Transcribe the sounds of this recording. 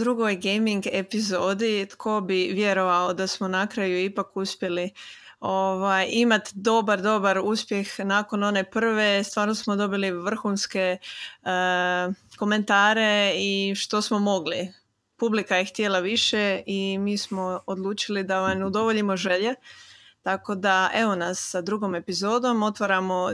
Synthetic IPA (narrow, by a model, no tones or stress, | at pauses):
d̪ɾuɡojɡejmiŋɡepizo̞ːd̪it̪kʰo̞biʋje̞ɾo̞ʋaod̪asmo̞nakɾajuipakuspʲje̞li | o̞ʋajʔimat̪d̪o̞baɾd̪o̞baɾuspje̞xnaːko̞no̞ne̞pr̩ʋe̞st̪ʋaːɾnosmo̞d̪o̞biliʋr̩xunske̞ | ko̞me̞nt̪aːɾe̞iʃt̪o̞smo̞mo̞ɡli | publikajext̪jelaʋiʃeimiːsmo̞od̪lˠuːt͡ʃilid̪aoʋajneud̪o̞ʋoʎimoʒe̞ʎe̞t̪ako̞d̪aʔe̞ʋo̞nasːad̪ɾuɡo̞me̞pizo̞ːd̪o̞mo̞t̪ʋaɾamo̞